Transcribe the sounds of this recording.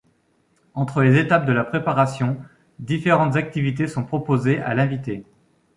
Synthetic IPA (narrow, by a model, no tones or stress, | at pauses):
ɑ̃t̪χəlezet̪ap̚d̪əlapχepaʁasjɔ̃ | d̪ifeʁɑ̃t̪zak̚t̪ivit̪esɔ̃pχɔpozeʔa̰lɛ̃vit̪e